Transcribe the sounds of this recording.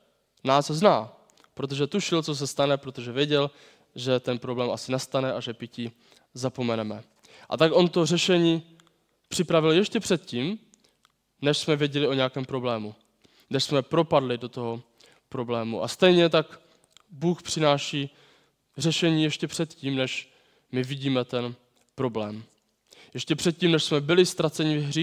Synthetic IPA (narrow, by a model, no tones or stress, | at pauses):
naːsznaː | pɾo̞t̪o̞ʒɛt̪uʃɪlt͡so̞s̬ɛst̪anɛpɾo̞t̪o̞ʒɛvjɛɟɛl | ʒɛt̪ɛnpɾo̞blɛːmʔasɪnast̪anɛʔaʒɛpɪci | zapo̞mɛnɛmɛ | ʔa̰t̪akʔo̞nt̪o̞rɛʃɛɲiː | pr̥ɪpɾavɪljɛʃcɛpr̝̥ɛt̪ciːm | nɛʃsmɛvjɛɟɛlɪo̞ɲɛakɛːmpɾo̞blɛːmu | nɛʃsmɛpɾo̞padlɪdo̞t̪o̞ɦo̞ | pɾo̞blɛːmuʔa̰st̪ɛjɲɛt̪ak | buːxpr̝̥ɪnaːʃiː | rɛʃɛɲiːjɛʃcɛpr̝̥ɛt̪ciːmnɛʃ | mɪvɪɟiːmɛt̪ɛn | pɾo̞blɛːm | jɛʃcɛpr̝̥ɛt̪̚ciːmnɛʃsmɛbɪlɪst̪ɾat͡sɛɲɪvɦriː